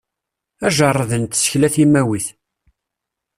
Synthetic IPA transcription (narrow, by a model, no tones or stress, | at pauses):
æʒɑrˤːəðənt̪ːsçlæθimæwiθ